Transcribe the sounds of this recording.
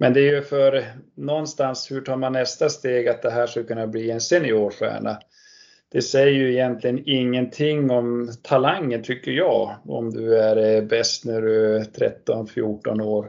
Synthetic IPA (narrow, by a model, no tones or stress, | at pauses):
mɛnd̪ɛæɾjɵfœɾnɔnːst̪anshɵʈʰɑːɾmanːɛst̪ast̪eːɡat̪̚d̪ɛɦæːʂkalkʰɵnːabliːensɪnːɪoːʂæ̰ːɳa | d̪̥ɛsɛjːəjɵɪjɛnt̪ʰlɪɡənɪŋːənt̪ʰɪŋːɔmt̪ʰalaŋːənt̪ʰʏkːəɾjɑːɔ̰md̪ɵæɾbɛst̪næɖɵt̪ʰɾɛ̰t̪ːɔnfjuːʈɔnoːɾ